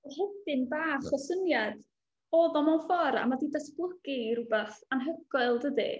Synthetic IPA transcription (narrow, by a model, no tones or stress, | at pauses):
rhɛdɪnbaːχɔsənjad̥ | ɔːðɔmɔnfɔɾa̰madidasblˠəɡiɾubaθanɦəɡɔɨlˠdədḭ